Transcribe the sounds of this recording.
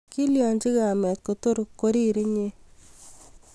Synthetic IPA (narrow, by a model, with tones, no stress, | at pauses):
ki˦ljɔ˨ɲd͡ʒi˦ka˨mɛ˨t̪̚ko˨to˦ɾkːo˦ɾi˦ɾi˦ɲe˦